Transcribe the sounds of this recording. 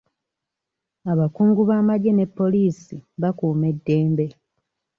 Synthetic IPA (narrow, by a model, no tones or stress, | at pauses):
aβakuːŋɡuβaːmaɟe̞ne̞pːo̞liːsiβakuːme̞dːe̞ːmbe̞